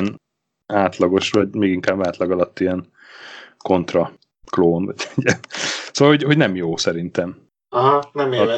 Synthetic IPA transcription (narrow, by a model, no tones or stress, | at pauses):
n | aːt̪lɒɡo̞ʃvɒɟmeːɡiŋkaːbaːt̪lɒɡɒlɒt̪ːijɛn | ko̞nt̪rɒ | kloːnvɒɟɛɟiɛnsoːʋɒlho̞ɟho̞ɟnɛmjoːsɛɾint̪ɛm | ɦnɛm